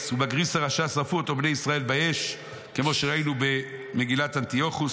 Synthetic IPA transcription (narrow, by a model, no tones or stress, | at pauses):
subaɡʁisaʁaʃasafuot̪obnejisʁae̞lbaeʃ | ke̞mo̞ʃeʁainube̞me̞ɡilat̪ant̪io̞χu